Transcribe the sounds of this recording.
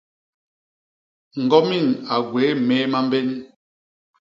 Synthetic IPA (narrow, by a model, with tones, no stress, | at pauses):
ŋ̩˨ɡɔ˦mi˦˨ŋa˨ɡwe˨˦meː˦ma˦m˦be˦n˦